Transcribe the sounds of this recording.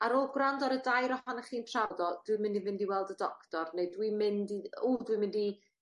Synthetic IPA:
aɾɔlˠɡrandɔɾədajɾɔhanəχiːnpʰr̥awdɔd̥wimɪndivɪndiwɛlˠdədɔktɔrnedwimɪndiulˠdwiɨmɪndi

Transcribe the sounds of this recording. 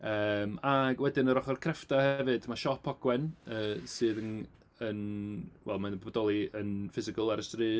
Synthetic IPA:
əːmaɡwɛdɨnəɾɔχɔrkʰrɛftahɛvɨdmaʃɔpʰɔɡwɛnəːsɨːðən | ənwɛlˠmanbɔbɔdɔlˠiənfɪzɪkəlˠɛɾəstriː

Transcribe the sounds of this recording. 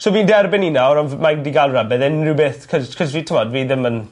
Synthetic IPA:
soːviːndɛrbɪninaɾɔnmaɡdiɡalˠrabɛðɛnrɪwbeːθkʰɔzkʰɔzviːtʰɪmɔdviːðɪmən

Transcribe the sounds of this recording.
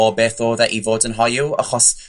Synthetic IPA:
ɔbeːθoːðɛʔivoːdənɦɔjua̰χɔs

